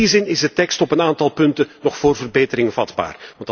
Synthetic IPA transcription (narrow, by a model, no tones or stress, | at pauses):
izɪnɪzdətɛkstɔpənaːntɑlˠpɵntənɔχfoːrvərbeːtəɾɪŋvɑdba̰ːrʋɑnt